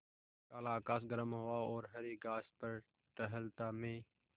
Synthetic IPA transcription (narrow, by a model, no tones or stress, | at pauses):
kaːlaːkaːs̬ɡəɾəmɦʊwaɔːɾɦəɾiːɡaːspəɾ | ʈəɦəlt̪aːmẽː